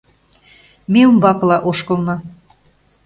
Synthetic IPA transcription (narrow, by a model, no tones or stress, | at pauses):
mʲiumbɑklˠɑʔoʃkɤ̆lˠnɤ